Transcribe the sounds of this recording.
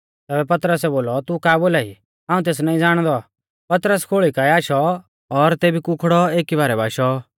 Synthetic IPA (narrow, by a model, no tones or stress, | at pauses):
t̪ɛːbɛpɐt̪ɾəsɛboːlɔt̪ukaːboːlaːḭ | ɦãːũt̪̬eːs̬naːĩd͡zaːɽ̃d̪ɔ | pɐt̪ɾəskʰoːɭikaːiaːʃɔ | ɔɾt̪eːbʱikʊkʰɽɔeːkibaːɾɛbaːʃɔ